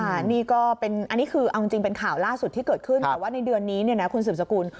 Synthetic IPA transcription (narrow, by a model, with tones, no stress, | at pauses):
kʰa˥˩niː˥˩kɔː˥˩pe˧nʔa˧nːiː˦˥kʰɯː˧ʔa˧wt͡ɕi˧ŋt͡ɕi˧ŋpe˧nkʰaː˨˩wlaː˥˩su˨˩t̪ʰiː˥˩kɤː˨˩t̪̚kʰɯ˥˩nt̪ːwaː˥˩na˧jdɯ˧ənːiː˦˥ni˥˩ɐna˦˥kʰu˧ns̬ɯː˨˩msa˧kuː˧n